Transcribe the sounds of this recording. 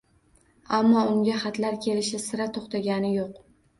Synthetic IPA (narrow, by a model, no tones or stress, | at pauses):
amːɒʊŋɡʲaχat̪laɾkʲʰe̞lɪʃɪsɪɾat̪ʰoχt̪ʰaɡʲanɪjoq